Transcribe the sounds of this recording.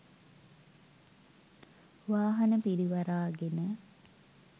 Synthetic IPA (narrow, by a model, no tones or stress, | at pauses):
ʋaːɦɐnəpiɾiʋaɾaːɡenə